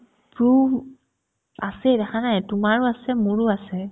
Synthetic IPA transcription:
pɹu | asɛdɛkʰanajtʊmaɹʊasɛmʊɹʊasɛ

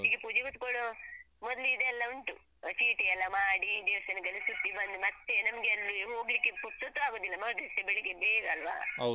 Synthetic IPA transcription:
ɦiːɡepud͡ʒɐɡɐt̪koɽu | mɔd̪liːd̪eɛlːɐuɳʈṵ | t͡ʃiːʈeɛlːɐmaːɽid̪iʋsɐnikɐlːisut̪ːibɐnd̪umɐt̪ːenɐmɡeɐlːiɦoːɡlikːeput̪ːɐt̪ːuaːɡoːd̪ilːɐmɐɡd̪isebeɭikebeːɡɐlʋa̰ːɐ

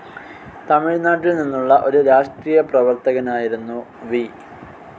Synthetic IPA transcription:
t̪ɐmiɻnaːʈːilninːuɭːɐʔo̞ɾuɾaːʂʈriːjɐprɐʋɐrt̪ɐɣɐnaːjiɾunːuʋi

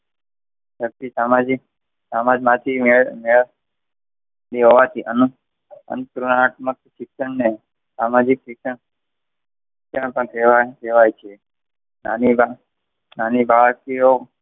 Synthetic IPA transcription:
sək̚t̪isamad͡ʒik | samad͡ʒmãt̪ʰimemeɭ | liɦɔʋat̪ʰiʔənu | ə̰nk̪ɾunaʈmək̚sɪksəɳne | samad͡ʒiksɪksəɳ | ɪksəɳpəɳkeʋakeʋajt͡ʃʰe | na̰niba | nanibaɭkio

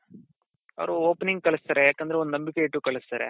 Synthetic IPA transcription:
ɐ̰ʋɾuoːpniŋɡkɐɭist̪aːɾejaːkːɐnd̪ɾeond̪unɐmbikeiʈːukɐɭist̪aːɾḛ

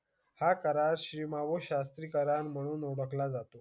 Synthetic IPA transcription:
hakəɾaɾɕɾimaʋoɕast̪ɾiːkəɾaɳm̤əɽ̃uːnoɽəklad͡zat̪o

